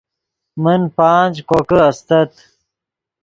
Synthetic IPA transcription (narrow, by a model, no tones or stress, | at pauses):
mənpaːnʲd͡ʑkokəɐst̪ɐt̪